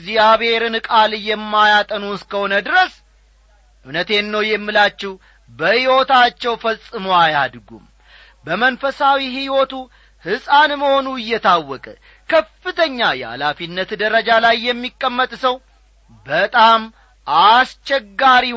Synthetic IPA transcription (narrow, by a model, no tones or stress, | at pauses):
zijaβheɾɨnkʼalɨjɛmːajat̪ʼənuskəho̞nəd̪ɨɾəs | ʔɨwnət̪e̞nːəwjɛmːɨlat͡ʃːɛh | bəhiwot̪at͡ʃːɛwfəsʼɨmoajad̪ɡṵm | bəmənfəsawihiwot̪u | hɨsʼanməho̞nuɨjːɛt̪ʰawːɔkʼə | kʰəfɨt̪ʰəɲːajɛha̰lafinːət̪d̪əɾəd͡ʒalajːɛmːikʼːəmːət̪ʼsəw | bət̪ʼam | ʔast͡ʃːɛɡːaɾi